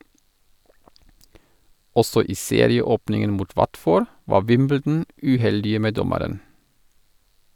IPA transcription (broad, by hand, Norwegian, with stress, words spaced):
ˈɔsɔ ˈiː ˈseːɾɪəˌoːpnɪŋən ˈmuːt ˈʋɑtˌfoːɾ ˈʋɑː ˈʋɪmbəldn̩ ʉːˈhɛldɪə ˈmeː ˈdɔməɾən